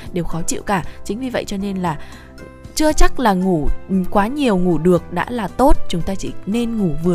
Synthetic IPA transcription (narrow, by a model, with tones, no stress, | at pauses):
ɗe˨˩wxɔ˨˦t͡ɕḭ˧˨wkaː˧˩t͡ɕï˨˦ŋ̟vi˨˩və̰˧˨jt͡ɕɔ˧ne˧nlaː˨˩ | t͡ɕɨ˧ət͡ɕa˦˥k̚laː˨˩ŋu˧˩kwaː˨˦ɲi˨˩əwŋu˧˩ɗɨ˨˩ək̚ɗa̰ː˧˥laː˨˩t̪o˦˥t̚t͡ɕʊ˨˦ŋ͡mt̪aː˧t͡ɕḭ˧˩ne˧nŋu˧˩vɨ˨˩ə˩